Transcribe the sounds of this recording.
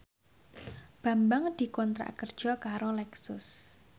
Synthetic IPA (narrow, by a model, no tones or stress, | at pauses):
b̥a̤mbaŋd̪̥i̤kɔnt̪ɾa̰ʔkərd̥ʒ̥ɔ̤kaɾolɛksʊs